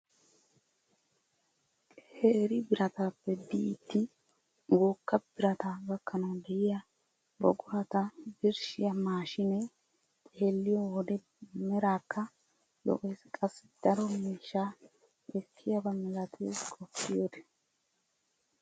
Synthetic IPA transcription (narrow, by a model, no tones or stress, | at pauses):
heːɾɪbɪɾɐt̪aːpːɛbiːt̪ːɪ | ɡoːkːɐb̥ɪɾɐt̪aːbɐkːɐnɐwd̪ɛʔɪjɐ | bɔ̰ɡʊɾɐt̪ɐbɪɾʃɪjɐmaːʃɪnɛ | t̪ʼeːlːɪjɔwɔd̪ɛ | mɛɾaːkːɐ | lɔ̰ʔʼɛːskʼɐsːɪ̥d̪̥ɐɾɔmiːʃːaː | ɛkʰːɪjɐbɐmɛɾɐt̪ʰeːskʼɔpːɪjod̪ɛ̥